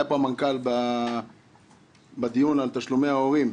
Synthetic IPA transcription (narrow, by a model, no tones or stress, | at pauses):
japoamankalba | bad̪ijunalt̪aʃlumeao̞ʁim